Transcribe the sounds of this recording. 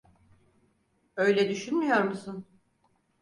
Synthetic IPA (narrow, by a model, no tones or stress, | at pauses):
ø̞jlʲɛd̪yʃynmyjoɾmusun